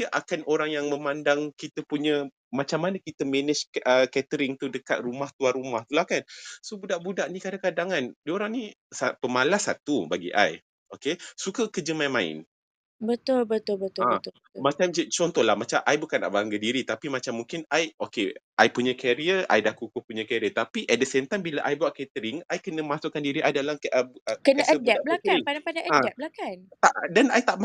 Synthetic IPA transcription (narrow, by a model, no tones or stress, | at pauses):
iəʔakanʔoɾaŋjaŋməmandaŋkit̪əpuɲə | mat͡ʃamːanakit̪əmɛnɛt͡ʃəkɛt̪əɾɪŋt̪udəkat̪̚rumaht̪uarumaht̪ulahkansobudaʔbudaʔnikadakadaŋandioɾaŋni | sapəmalasat̪ubaɡḭʔa̰j | ʔokesukəkəd͡ʒəmajmaɪ̰n | bət̪ʊlbət̪ʊlbət̪ʊabət̪ʊ | mat͡ʃamd͡ʒət͡ʃɔnt̪ɔlahmat͡ʃamʔajbukanːa̰ʔbaŋɡədiɾit̪apimat͡ʃamːuŋkɪnajokeʔajpuɲakɛɾiəa̰jdakukʊhpuɲakɛɾiət̪apiʔɛt̪̚dəsemt̪ajmbilaʔajbawaʔkɛt̪əɾiŋajkənəmasʊʔkandiɾiʔajdalakʔəbkənəsəədɛt̪̚blakapadaŋpadaʔəaɛt̪̚blakant̪aʔdanajt̪aʔm